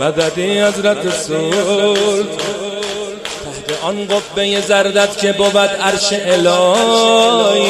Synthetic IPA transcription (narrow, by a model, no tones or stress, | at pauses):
mæd̪æd̪ihæzɾæt̪ʰeso | l | t̪ʰaht̪ʰeʔɒnɢobbejezæɾd̪æd̪cʲʰebobæd̪æɾʃeʔelɒː | j